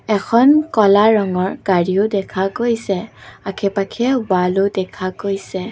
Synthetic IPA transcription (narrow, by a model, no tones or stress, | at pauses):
ɛkʰɔnkɔlaɹɔŋɔɹɡ̥aɹioʊdɛkʰakojsɛakʰɛpakʰɛbalodɛkʰakojsɛ